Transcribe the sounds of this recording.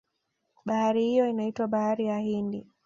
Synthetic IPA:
ɓahaɾihijɔinaitwaɓahaɾijahindi

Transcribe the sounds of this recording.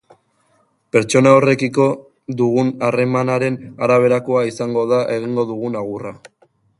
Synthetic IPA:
pe̞ɾt͡ʃo̞naore̞kiko̞ | d̪uɣunare̞manaɾe̞naɾaβ̞e̞ɾako̞aisaŋɡo̞ðaʔe̞ɣ̞iŋɡo̞ðuɣ̞unaɣ̞ura

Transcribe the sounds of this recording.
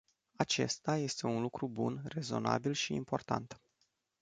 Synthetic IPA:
at͡ʃe̞st̪aje̞st̪e̞unlukɾubunre̞zo̞̰na̰bilʃiːmpo̞rt̪a̰nt̪

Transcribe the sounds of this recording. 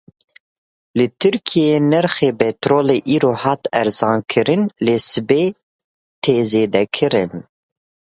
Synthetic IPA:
lɨt̪ʰɨɾkʰijenɛɾxeːbɛt̪ɾoːleːʔiːɾoːhɑːt̪ɛɾzɑːnkʰɨɾɨnleːsɨbeː | t̪ʰeːzeːd̪ɛkʰɨɾɨn

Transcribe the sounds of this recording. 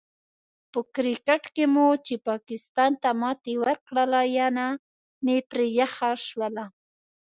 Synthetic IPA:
pəkɾɪkaʈkemot͡ʃepɑkɪst̪ɑnt̪amɑt̪ewaɾkɽalajana | mepɾejaxaʃwala

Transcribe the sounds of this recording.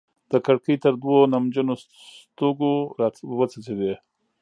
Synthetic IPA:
d̪̥əkaɽkəjt̪əɾd̪wonamd͡ʒəno | st̪oɡoɾɑwət͡sat͡sed̪e

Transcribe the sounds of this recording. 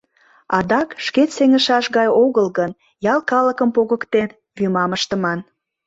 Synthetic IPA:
ɑd̪ɑkʃketseŋəʃɑʃɣɑjoɣəlɣən | jɑlkɑləkəmpoɣəkt̪en | βymɑməʃt̪əmɑn

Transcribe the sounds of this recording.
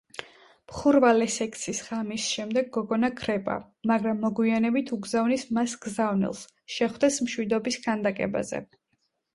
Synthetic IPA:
mχuɾvalɛsɛkʰʼt̪sʰisʁamisʃɛmd̪ɛɡːɔɡɔnakʰɾɛpʼa̰ | maɡɾamːɔɡwianɛbit̪ʰuɡzavnismasɡ̥zavnḭlˠs | ʃɛχwd̪ɛsmʃwid̪ɔbisɡʰand̪akʼɛ̰ba̰zɛ̰

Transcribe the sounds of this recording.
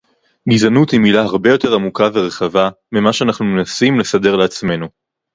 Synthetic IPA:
ɡizanuthimilaɦaʁbe̞jo̞te̞ʁamukaveʁe̞χava | mimaʃeanaχnumenasimle̞sade̞ʁleat͡sme̞nu

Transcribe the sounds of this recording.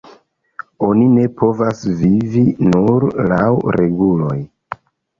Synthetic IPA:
o̞nine̞pʰo̞vasvivinuɾlawɾe̞ɡulo̞j

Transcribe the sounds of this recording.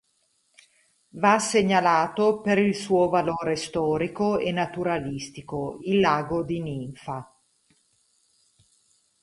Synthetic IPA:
vasːeɲːalaːt̪opeɾilsuːovaloːɾest̪ɔːɾikoenːat̪uɾalist̪ikoilːaːɡod̪iniɱfa

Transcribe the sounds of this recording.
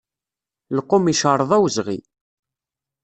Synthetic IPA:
ləqːʊmiʃəɾˤəðˤæwzʁḭ

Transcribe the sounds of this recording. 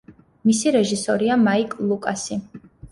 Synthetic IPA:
misiɾɛʒisɔɾiamaikʼlˠukʼasi

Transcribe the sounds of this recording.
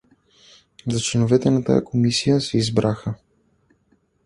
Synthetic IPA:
zɐt͡ʃlɛnovɛt̪ɛnat̪a̰ja̰kʰomisijəsɛizbɾʔaxə

